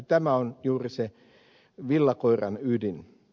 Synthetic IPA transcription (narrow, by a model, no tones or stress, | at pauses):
t̪æmæonjuːrise | ʋilːɑkoirɑ̰nydin